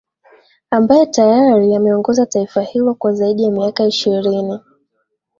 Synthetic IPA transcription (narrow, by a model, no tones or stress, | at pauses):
ambajɛtajaɾiamɛɔŋɡɔzataifahilɔkwazaiɗijamiakaiʃiɾini